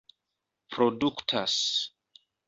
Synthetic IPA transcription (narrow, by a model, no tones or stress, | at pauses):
pɾoduktʰas